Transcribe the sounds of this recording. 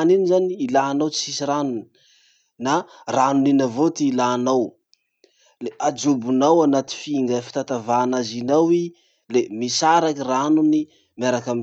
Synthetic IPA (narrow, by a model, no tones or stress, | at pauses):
ninizaniːlaːnawt͡sisiranuni̥ | naranuninavot̪iːlaːnaw | leʔad͡ʒubunawanat̪i̥fiŋɡəfi̥t̪at̪avaːnazinawi | lemisaɾakiranuni | maɾakami